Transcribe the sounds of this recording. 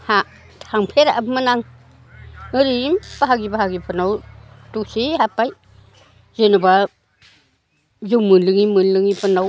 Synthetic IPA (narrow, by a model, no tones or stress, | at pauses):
ha | tʰaŋpʰeɾaʔmɯnaŋ | ɯɾiimb̥aɦaɡibaɦaɡipʰanaw | tuk̚sihapaj | zenuba | zuwmɯnlɯŋimɯnlɯŋipʰɯnaw